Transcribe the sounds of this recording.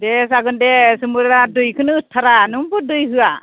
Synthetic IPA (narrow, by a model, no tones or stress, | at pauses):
dɛsaɡɯndɛsɯmuɾɾadɯjkʰɯnɯːtʰːaɾanɯmbɔdɯjɦɯa